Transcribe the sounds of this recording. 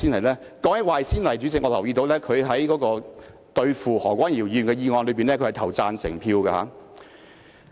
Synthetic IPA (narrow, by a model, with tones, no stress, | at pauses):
iː˥nɐ˨˩jlɛː˥kɔː˨˥ŋjɐ˥k̚waː˨˩jsiː˥nlɐ˨˩jt͡ʃyː˨˥t͡sɪ˨k̚ŋɔː˨˧lɐ˨˩wjiː˧t̪o˨˧wlɛː˥kʰɵ˨˧ɥɦɐ˨˥jkɔː˨˥kɔː˧ | t̪ɵ˧ɥfuː˨hɔː˨˩ŋkʷwaː˥nji˨˩wjyː˨nkɛː˧jiː˧ŋɔː˧nlɵ˨˧piː˨nlɛː˥kʰɵ˧hɐ˨˩t̪ʰwt͡saː˨nsɪ̰˨˩ŋpʰiː˧wɡa˧ha̰ː˨˥